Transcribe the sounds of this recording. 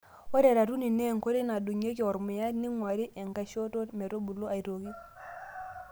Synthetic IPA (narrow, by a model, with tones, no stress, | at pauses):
wo˦ɾe˨ɾa˨tu˦ni˨ne˦˨ŋko˦ɾi˦na˨du˨ɲe˦ki˨ɔ˨ɾmi˨ja˦tni˦ŋwa˨ɾi˦ʔe˨ŋka˨ʃo˦to˦tme˨ɾo˦bu˨lːo˦a˨i˨ɾo˨ki˦